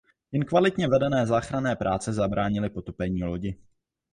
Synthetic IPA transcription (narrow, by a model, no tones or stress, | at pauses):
jɛnkvalɪt̪ɲɛvɛdɛnɛːzaːxɾanɛːpɾʔaːt͡sɛzabɾaːɲɪlɪpo̞t̪o̞pɛɲiːlo̞ɟɪ